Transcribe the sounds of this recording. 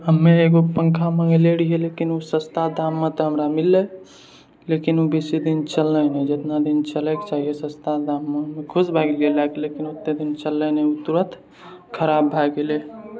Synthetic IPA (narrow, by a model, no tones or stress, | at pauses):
ɦəmːeeɡopə̃ŋkʰamə̃ŋɡleɽiɦelekinusə̃st̪ʰad̪ʱamːet̪ɔɦəmɾamilːɛ | lekinubesid̪int͡ʃəlːənɛd͡ʒet̪nad̪int͡ʃəlɛke̥t͡ʃaɦijesə̃st̪ʰad̪ʱamːeɦəmːekʰusbʱaɡilɡelakelekinot̪ːed̪int͡ʃəlːənɛut̪uɾət̪ʰ | kʰəɾabʱaɡele